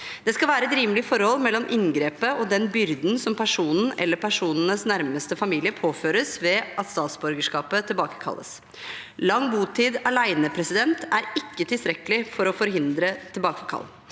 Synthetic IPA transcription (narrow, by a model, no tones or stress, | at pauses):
d̪̥ɛskɑlʋæːɾəɛt̪ɾiːməlɪfɔɾhɔlːmɛlːɔmʔɪŋɡɾeːpəɔd̪ɛnbʏɾd̪n̩sɔmpʰæʂuːnn̩ʔɛ̰lːəɾpʰæʂuːnənəsnæɾməst̪əfɑmiːlɪəpʰoːføːɾəsʋɛʔɑt̪st̪ɑːt̪sbɔɾɡəʂkɑːpət̪ʰɪlbɑːkə̥kʰɑ̰lːə̰s | lɑŋːbuːt̪ʰiːd̪ɑɭæɪnəpʰɾɛsɪd̪ɛnt̪ʰæɾɪkːət̪ʰɪlst̪ɾɛkəlɪfɔɾɔfɔɾɦɪnd̪ɾət̪ʰɪlbɑːkəkʰɑ̰lː